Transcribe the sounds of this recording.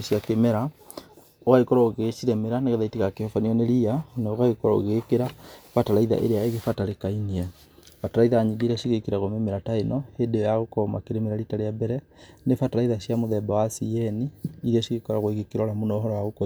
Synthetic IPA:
ʃiakemɛɾa | oɣaikɔɾɔoɣeʃiɾɛmeɾaneɣɛðaitiɣakehɔfaniɔneɾianaoɣaɣekɔɾɔo̰ɣekeɾafataɾaiða̰ʔḛɾeaeɣefataɾekainiɛ | fataɾaiðaːɲiŋɡeɾɛʃiɣekiɾaɣomemeɾataenɔhedejaɣokɔma̰keɾemeɾaɾitaɾeabɛɾɛ | nefataɾaiðaɕjamoðɛbawasiɛniːɾɛʃiɣekɔɾaɣoeɣekiɾɔɾamonɔɦɔɾɔwaɣokɔ

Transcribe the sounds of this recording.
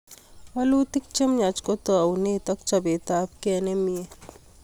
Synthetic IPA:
ɐluːt̪ik̚t͡ʃɐmɲat͡ʃkot̪əwnet̪ɐk̚t͡ʃɐbeːt̪aːpkɛnemie

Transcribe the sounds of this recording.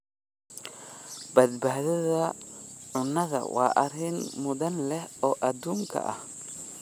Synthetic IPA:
bɐd̪baːðɐðɐʕʊnːɐðɐ̰wɑ̰ːʔɐɾɪnmʊðɐnlɛhɔːʔɐd̪uːŋkʰɐ̰ʔɐ̰h

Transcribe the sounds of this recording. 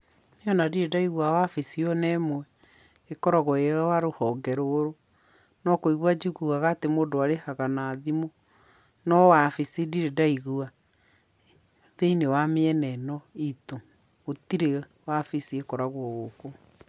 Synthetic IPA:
njɔnadiɾedaiɣuawafesiɔnɛmwɛ | ekɔɾɔɣɔeɣawaɾohɔŋɡɛɾoɾo | nɔkoiɣwad͡ʒukuɣaɣatemodoaɾehaɣanaːðimo | nɔwafesidiɾedaiɣua | ðeinewameɛnɛnɔitoː | tiɾe | wafisiekɔɾaɣwɔɣoko

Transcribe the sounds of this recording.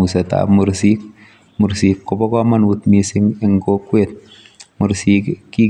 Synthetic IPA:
useta̰muɾsik | muɾsikːɔbɔkɔmanwutmisɪŋɪŋkokwet̚ | muɾsikkːi

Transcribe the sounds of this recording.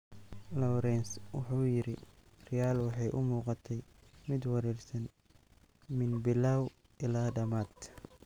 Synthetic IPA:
lɔwɾɛnswɑ̰ħuːjɪɾɪ | rɪjaːlwɑħɑjʔʊmuːqɑt̪ʰɛjmɪd̪wɑɾɛrsɐn | mɪnbɪlaːw | ʔɪlaːɖɐmaːd̪

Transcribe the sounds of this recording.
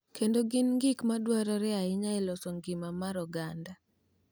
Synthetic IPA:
kendoɡɪnŋɡɪkmadwaɾɔɾɛaɪɲaɪlɔsɔŋɡimamaɾɔɡanda

